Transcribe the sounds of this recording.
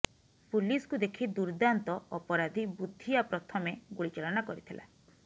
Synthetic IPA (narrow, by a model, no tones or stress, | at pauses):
puliskud̪ekʰid̪uɾd̪ant̪ɔɔpɔɾad̪ʱibud̪ʱːiapɾɔt̪ʰɔmeɡuɽit͡ʃaɭɔnakɔɾit̪ʰila̰